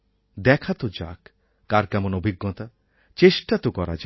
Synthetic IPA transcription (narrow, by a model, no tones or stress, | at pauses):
d̪ɛkʰat̪od͡ʑa̰kː | aɾkɛmonobʱiɡːɔt̪a | t͡ɕeʃʈat̪okɔɾa̰d͡ʑ